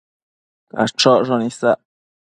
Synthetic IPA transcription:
ka̰t͡ʃoʐonisaʔ

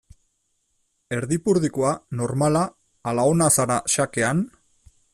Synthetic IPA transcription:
e̞ɾðipuɾðikoano̞ɾmalaː | laonasaɾaʃake̞an

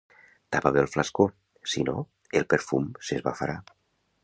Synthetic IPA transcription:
t̪apaβelˠflasko | sino̰ | elˠpeɾfumsezβa̰faɾa

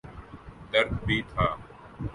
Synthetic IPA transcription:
d̪əɾd̪bʱiːt̪ʰaː

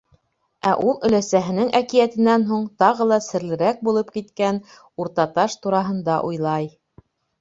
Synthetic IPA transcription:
æʔulˠɵ̆læsæɦɘ̆nɘŋʔækijæt̪ɘ̆nːænɦuɴt̪ɑʁɤlˠɑsɘ̆ɾlɘ̆ɾæk̚bulˠɤp̚kit̪kæn | uɾt̪ɑt̪ɑʃt̪uɾɑɦɤ̆nd̪ɑʔujlˠɑj

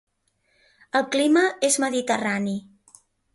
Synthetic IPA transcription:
əlˠkliməezməðit̪ərani

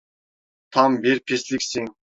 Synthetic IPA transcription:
t̪ʰɑmbeɾpʰeslikʲsiŋ

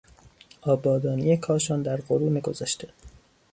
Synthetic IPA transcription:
ʔɒːbɒːd̪ɒːnijekʰɒːʃɒːnd̪æɾɢoɾuːmeɡo̞zæʃt̪ʰe

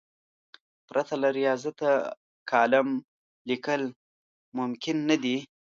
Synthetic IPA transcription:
pɾʔat̪alaɾijɑzat̪a | kɑlam | likəl | mʊmkɪnːad̪i

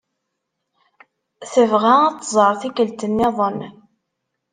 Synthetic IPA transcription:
θəvʁaæt̪ːzˤəɾˤθikəlt̪ənːɪðˤən

